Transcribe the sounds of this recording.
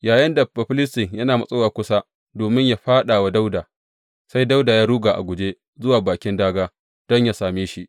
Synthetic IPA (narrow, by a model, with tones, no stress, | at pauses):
jaː˨jɐ˦nda˨bɐ˨ɸɪ˦lɪ˦stɪ˨ŋjɐ˦naː˨mɐ˦sʼoː˦waː˨kʷʊ˦sa˦ | doː˨mɪ˦ɲja˨ɸaː˦ɗaː˨wa˦da˦wdaː˨ | sa˦jda˦wda˨jaː˦ɽuː˦ɡaː˨ʔa̰˨ɡʷʊ˨d͡ʒeː˦ | zʊ˦waː˨baː˨kʲɪ˦ndaː˦ɡaː˦ | d̥ɔ˦ɲja˨saː˨miː˦ʃi˦ʔ